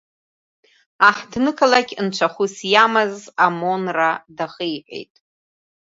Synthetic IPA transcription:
aħdnɨkʰalakʲʰʼɨnt͡ʃʷʰaχusjamazamo̞nradaχejħʷḛjtʼ

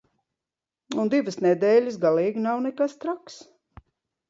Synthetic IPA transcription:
und̪ivɨsnɛd̪ɛːlʲɨsɡaliːɡinawnɛkast̪ɾaks

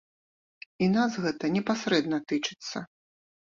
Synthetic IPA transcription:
inazɣɛt̪ɐnʲɛpasɾɛd̪nɐt̪ɨt͡ʂɨ̥t̪sːɐ

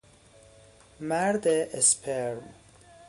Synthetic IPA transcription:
mæɾd̪eʔespʰeɾm

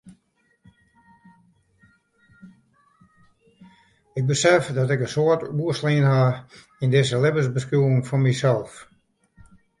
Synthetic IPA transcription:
ɪk̚bəsɛfdɔtɪkənsoətuəslenha | indɪsəlɪbəsbəskuwɪŋfɔnmisɛlˠf

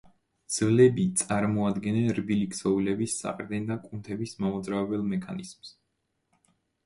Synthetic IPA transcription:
d̪z̥vlɛbit̪sʼaɾmɔad̪ɡɛnɛnɾbiliksɔulɛbisːa̰qʼɾd̪ɛnd̪akʼunt̪ʰɛbismamɔd̪zɾaɛbɛlˠmɛkʰa̰niz̥ms

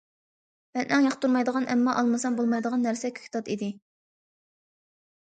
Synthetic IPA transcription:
mɛnʔɛŋjɑχt̪uɾmɑjd̪əʁɑnʔɛmːɑʔɑlˠmɨsɑmbolˠmɑjd̪əʁɑnːæɾsɛkʲʰy̥kʰʲːt̪ʰɑt̪id̪ɪ

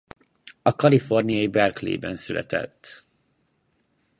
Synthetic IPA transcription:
ɒkɒlifo̞rnijɒjibɛrklḛːbɛnsylʔɛ̰t̪ɛ̰t̪ː

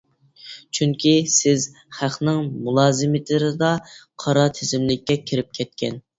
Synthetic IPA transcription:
t͡ʃʰyŋkʲʰisɪz | χæχnɪŋmulˠɑːzɪmɪt̪ʰlɪɾɪd̪ɑqʰɑɾɑt̪ʰɪzɪmlɪkʲːɛkʲʰɪɾɪp̚kʲʰɛt̪̚kʲʰɛn

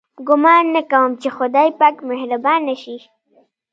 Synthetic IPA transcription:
ɡʊmɑnːakawəmt͡ʃexʊd̪ɑjpakmehɾabɑnaʃi

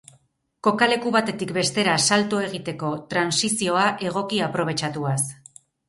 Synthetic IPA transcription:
ko̞kale̞kuβ̞at̪e̞t̪ikbe̞st̪e̞ɾasalt̪ue̞ɣ̞it̪e̞ko̞t̪ɾansisio̞aʔe̞ɣ̞o̞kiapɾo̞β̞e̞t͡ʃat̪uas

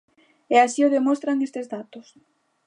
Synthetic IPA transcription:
easioðemost̪ɾaŋest̪ezðat̪ʊs

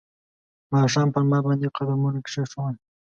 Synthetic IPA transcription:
mɑʃ̬ɑmpəɾmɑbɑnd̪ejwqad̪amunakʂaʃəwa

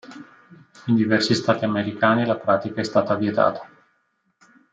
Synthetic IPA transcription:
ind̪ivɛrsist̪aːt̪iameɾikaːnilapɾaːt̪ikaɛst̪aːt̪avjet̪a̰ːt̪ḁ

